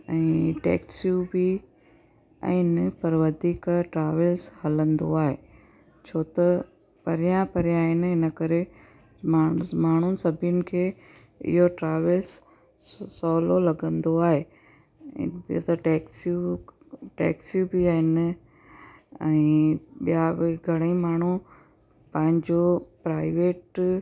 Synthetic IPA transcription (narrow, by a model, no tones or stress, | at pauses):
ɛ̃ːʈɛ̰ːksjubi | ɛ̰̃ːnɪpɐɾʋɐd̪ʱiːkʈɾaːʋəlshɐlə̃nd̪o̰aːɦeː | t͡ɕʰoːt̪ɐ | pɐɾijãpɐɾjãːɦɪnɪɪnəkɐɾe | mːmaːɳ̤ʊnɪ̆sɐbʱijənɪ̆kʰeː | ɪ̰ɦoʈɾaːʋəls | sɔːlolɐɡə̃nd̪oaːɦḛː | t̪ɐʈɛːksu | ʈɛ̰ːksjubɪaːɦɪnɪ | ɛ̰̃ɓijabɡʱɐɽ̃əĩmaːɳ̤u | pɐ̃ɦɪ̃ɲd͡ʑopɾaːɪʋeːʈ